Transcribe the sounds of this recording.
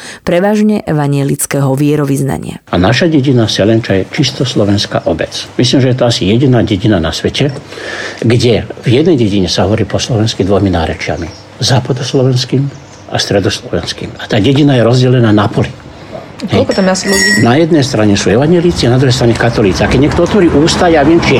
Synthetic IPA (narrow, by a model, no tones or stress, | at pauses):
pɾɛʋaːʒɲɛʔɛʋaɲɪɛlit͡skɛːɦɔʋɪɛɾɔʋizna̰ɲɪ̰a̰anaʃaɟɛɟinasɛlɛnt͡ʃajɛt͡ʃist̪ɔslɔʋɛnska̰ːʔɔbɛt͡smis̬liːmʒɛjɛt̪ɔasijɛɟinaːɟɛɟinanasʋɛcɛ | ɡɟɛvjɛd̪nɛjɟɛɟiɲɛsaɦɔʋɔɾiːpɔslɔʋɛnskid̪ʋɔjminaːɾɛt͡ʃɪa̰mi | zaːpad̪ɔslɔʋɛnskiːm | a̰st̪ɾɛd̪ɔslɔʋɛ̰nskḭːmat̪aːɟɛɟinajɛɾɔzɟɛlɛnaːnapɔli | kɛɔkt̪amnaslɛnajɛd̪nɛjst̪ɾaɲɛsuːɛʋaɲjɛliːt͡sianad̪ɾuɦɛjst̪ɾaɲɛkat̪ɔliːt͡siakɛɟɲɛkt̪ɔɔt̪ʋɔɾiːʔuːst̪ajaʋɪɛmt͡ʃi